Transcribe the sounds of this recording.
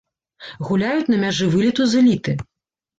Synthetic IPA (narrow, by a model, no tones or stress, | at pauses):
ɣulʲajut͡sʲnɐmʲaʐɨvɨlʲit̪uzɨlʲit̪ɨ